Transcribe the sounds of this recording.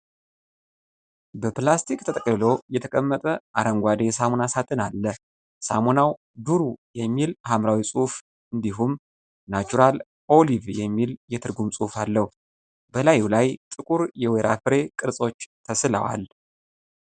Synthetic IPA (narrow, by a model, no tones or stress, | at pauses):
bəplast̪ʰikt̪ʰət̪ʼəkʼlɨlo̞jɛt̪ʰəkʼəmːət̪ʼəʔaɾəŋɡʷad̪esamonasat̪ʰʼɨnalːə | sa̰monaw | d̪uɾujɛmːilhamɾawisʼuhf | ɨnd̪iɦum | nat͡ʃuɾal | o̞livjɛmːiljɛt̪ʰɨɾɡumsʼuhfalːəhu | bəlajulajt̪ʼɨkʼuɾjɛweɾʔa̰fɨɾe̞kʼɨɾsʼo̞t͡ʃːt̪ʰəsɨla̰wa̰l